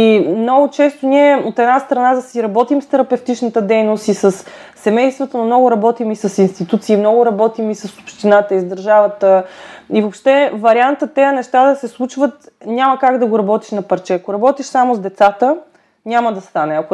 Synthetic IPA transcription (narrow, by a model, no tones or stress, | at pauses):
imnɔɡʊt͡ʃɛst̪ʊniɛot̪ɛd̪nast̪ɾɐnad̪ɐsiɾɐbɔt̪imst̪ɛɾɐpɛft̪it͡ʃnət̪əd̪ɛjnost̪isəsː | ɛmɛjst̪vət̪ənomnɔɡʊɾɐbɔt̪imisɐsinst̪it̪ut̪siːmnɔɡʊɾɐbɔt̪imisəso̥pʃt̪inat̪əizd̪ɐɾʒavət̪əivopʃt̪ɛvɐɾiant̪ət̪ːɛjənɛʃt̪ad̪ɐsɛslˠut͡ʃvət̪nʲaməkaɡd̪ɐɡoɾɐbɔt̪i̥ʃnɐpɐɾt͡ʃɛɐkoɾɐbɔt̪iʃsamʊzd̪ɛt̪sat̪ə | nʲaməd̪ɐst̪anɛɐkʊ